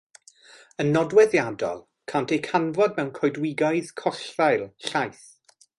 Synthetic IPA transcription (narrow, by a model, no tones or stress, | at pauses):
ənːɔdwɛðjadɔ̰lˠ | kʰantʰejkʰanvɔd̚mɛwnkʰɔjdwɪɡaɨðkʰɔɬrajlˠɬajθ